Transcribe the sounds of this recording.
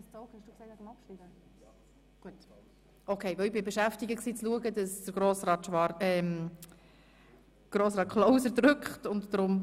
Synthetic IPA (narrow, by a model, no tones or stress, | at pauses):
st͡soʊχhɛʃd̥uːkseɪtənɑpʃibə | ɡ̥uət | ʔokʰeɪʋɛlɪbɪbeʃæftɪɡəksiːt͡sluəɡədɑsd̥əɾɡɾoːsɾɑːtʃʋɑɛm | ɡ̥ɾoːsɾɑːtkʰloʊsəɾdɾʏkχtʊntdɾʊm